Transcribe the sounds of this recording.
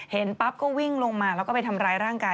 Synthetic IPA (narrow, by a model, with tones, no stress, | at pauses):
he˩˦npa˦˥p̚kɔː˥˩wi˥˩ŋlo˧ŋmaː˧lɛː˦˥wkɔː˥˩pa˧jt̪ʰa˧mɾaː˧jɾaː˥˩ŋkaː˧